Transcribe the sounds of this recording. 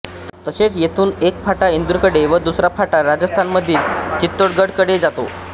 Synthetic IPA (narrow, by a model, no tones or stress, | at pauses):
t̪əset͡sjet̪uːnek̚faʈaind̪uɾkəɽeʋəd̪usɾapʰaʈaɾad͡zəst̪ʰanməd̪ʱːiːlt͡ɕit̪ːoɽɡəɽkəɽed͡zat̪o̰